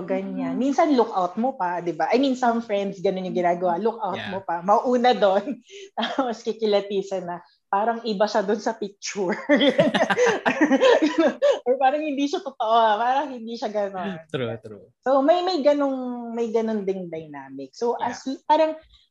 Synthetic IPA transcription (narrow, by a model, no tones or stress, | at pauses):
ɡɐɲanminsɐnlʊkʔawt̪̚mopɐd̪ɪbaʔɐjminsɐmfɹɛnd̪sɡɐnonjʊŋɡɪnaːɡɐwalʊkʔawt̪̚mopɐmɐʔuːnɐd̪o̞nt̪aːposkɪkɪlɐt̪iːsɐnɐ | paːɾɐŋʔɪbɐʃɐd̪onsɐpɪk̚t͡ʃuɹɡɐɐɲa | ɡɐnonjpaːɾɐŋhɪnd̪iʃɐt̪ot̪oʔopaːɾɐŋhɪnd̪iʃɐɡɐnon | somɐjmɐjɡɐno̞ŋmɐjɡɐnond̪ɪŋd̪ɐjnaːmɪk̚soʔɐspaːɾɐŋ